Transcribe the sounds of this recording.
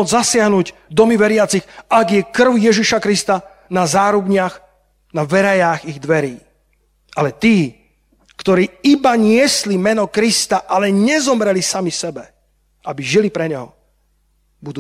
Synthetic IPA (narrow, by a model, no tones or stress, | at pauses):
ɔd͡zzasɪaɦnuːɟd̪ɔmiʋɛɾɪat͡sixaɡjɛkr̩ʊjɛʒiʃakɾist̪a | nazaːɾubɲɪax | naʋɛɾajaːɣiɣd̪ʋɛɾiː | ʔalɛt̪iː | kt̪ɔɾiːibaɲɪɛslimɛnɔkɾist̪aʔalɛɲɛzɔmɾɛlisamisɛbɛ | ʔabiʒilipɾɛɲɛɦɔ̰ | bud̪u